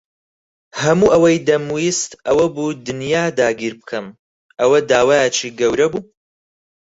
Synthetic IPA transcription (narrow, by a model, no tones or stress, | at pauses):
hɐmuːʔɐwɐjd̪ɐmujist̪ɐwɐbuːd̪ɨnjaːd̪aːɡiːɾbɨkʰɐm | ʔɐwɐd̪aːwaːjet͡ʃʰiːɡɐwɾɐbuː